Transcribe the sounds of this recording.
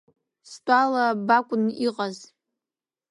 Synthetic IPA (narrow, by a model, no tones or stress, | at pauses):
stʷʼalabakʷʼʊniqʼaz